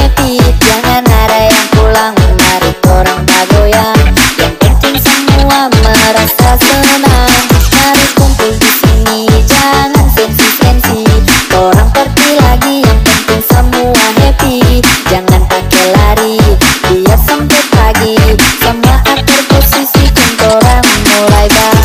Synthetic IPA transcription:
ɛpit̪̚d͡ʒaŋanaɾajaŋpulaŋmaɾihoɾaŋbaɡojaŋjaŋpənt̪ɪŋsəmuaməɾasasənaŋmaɾipʊnp̪uŋsisiŋid͡ʒaŋankɛnsitɛnsit̪oɾaŋpərt̪ilaɡijaŋpənt̪ɪŋsəmuanɛp̪id͡ʒaŋanʔakɛlaɾidijasəmpət̪̚laɡisəmuaʔat̪̚ːərpəsisikʊnt̪oɾaŋmulajba

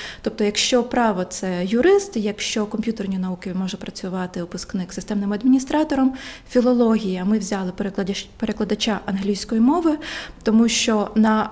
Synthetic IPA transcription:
t̪ɔp̚t̪ɔjɐkʃt͡ʃɔpɾɑʋɔt̪sɛjʊɾɪst̪jɐkʃt͡ʃɔkɔmpjut̪ernʲinɐukɪmɔʒɛpɾɐt͡sʲʊʋɑt̪ɪʊpʊsknɪksɪst̪ɛmnɪmɐd̪mʲinʲist̪ɾɑt̪ɔɾɔmfʲilˠɔlˠɔɦʲijɐmɪwzʲɑlˠɪpeɾʲpeɾeklˠɐd̪ɐt͡ʃaʔɐnɦlʲijsʲkɔjimɔʋɪt̪ɔmuʃt͡ʃɔnɐ

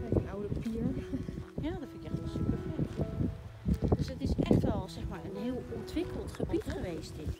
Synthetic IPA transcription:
ɛənawdəpapiɹjaːdɔtfɪnkəsypəfɛt | d̥øsətɪsʔɛ̰χtʋɛlˠzɛχmaːɹənɦɪːlˠɔntʋɪkəlˠtχəbitχəʋejst

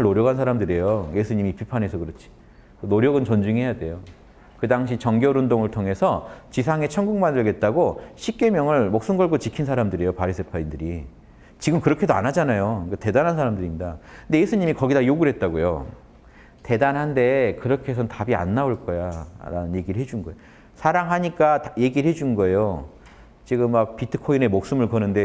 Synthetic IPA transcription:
aɭnoɾjʌɡɦansʰaɾamdɯɾejoje̞sʰuɲimipipʰanɦe̞sʰʌkɯɾʌt͡ɕʰi̥ | noɾjʌɡɯnt͡ɕʌnd͡ʑuŋiɦe̞jade̞jo | kɯdaŋɕʰit͡ɕʌŋɡjʌɾundoŋɯɭtʰoŋe̞sʰʌt͡ɕisʰaŋe̞t͡ɕʰʌŋɡuŋmandɯɭɡe̞t̚t͈aɡoɕʰip̚k͈e̞mjʌŋɯɭmok̚s͈ɯnɡʌɭɡot͡ɕikʰinsʰaɾamdɯɾejopaɾis͈ʰepʰaindɯɾi | t͡ɕiɡɯmkɯɾʌkʰe̞doa̰nɦad͡ʑanajokate̞danɦansʰaɾamdɯɾiɲida̰ɯnde̞jesʰuɲimikʌɡidajoɡuɾɦe̞t̚t͈aɡojo̰ | te̞danɦande̞kɯɾʌkʰes̬ʰʌntabia̰nːaoɭk͈ʌjaɾa̰nɯnje̞ɡiɾɯɭhɦe̞d͡ʑunɡʌeo | sʰaɾaŋɦaɲik͈ataje̞ɡiɾɭhe̞d͡ʑunɡʌe̞jo | t͡ɕiɡɯmːak̚pitʰɯ̥kʰoinemok̚s͈ɯmɯɭkʌnɯnde̞

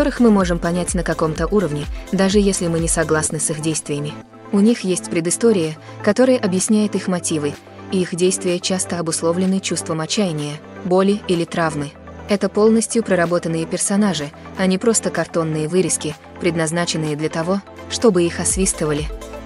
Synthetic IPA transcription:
kɐt̪o̞ɾɨxmɨmo̞ʐɨmpɐnʲætʲnəkɐko̞mt̪əʔuɾəvnʲɪd̪aʐɨjesʲlʲɪmɨnʲɪsɐɡlˠasnɨsixdʲejst̪vʲɪjəmʲɪ | ʊnʲixjesʲtʲpɾʲɪd̪ɨst̪o̞ɾʲɪjə | kɐt̪o̞ɾəjəʔɐbjɪsʲnʲæjɪt̪ixmɐtʲivɨ | iixdʲejst̪vʲɪjət͡ɕast̪əɐbʊslˠo̞vlʲɪnɨt͡ɕust̪vəmɐt͡ɕːæjɪnʲɪjə | bo̞lʲɪilʲɪt̪ɾavmɨ | ɛt̪əpo̞lˠnəsʲtʲjʊpɾəɾɐbot̪ənːɨjəpʲɪrsɐnaʐɨɐnʲɪpɾo̞st̪əkɐrt̪o̞nːɨjəvɨɾʲɪskʲɪ | pɾʲɪd̪nɐznat͡ɕɪnːɨjəd̪lʲət̪ɐvo̞ | ʂt̪o̞bɨixɐsvʲist̪əvəlʲɪ

